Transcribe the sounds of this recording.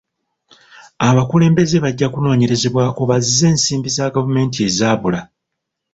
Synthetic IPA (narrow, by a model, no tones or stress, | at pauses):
aβakule̞ːmbe̞ze̞βaɟːakuno̞ːɲe̞ɾe̞ze̞βwaːko̞βazizːe̞ːnsiːmbisaːɡavume̞ːntie̞zaːβula